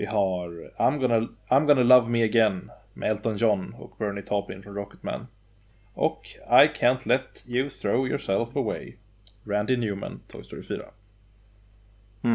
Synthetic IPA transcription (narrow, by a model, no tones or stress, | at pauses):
vɪɦaɾaɪmɡɔnəãɪmɡɔnalavmɪəɡɛn | mɛ̰ɛlt̪ɔnjɔnɔ̰kbɜːɹɳɪt̪ʰɑːpɪnfɾɔ̃mɹɔkə̥t̪̚mæ̰n | ʔɔ̰kajkʰæ̃nt̪ʰlɛt̪jʉθɾoʊjɔɹsɛlfəweɪ | ɹænd̪ɪnjʉːmə̰̃nt̪ʰɔ̰ːɡst̪ʰɔɾɪfy̰ːɾa̰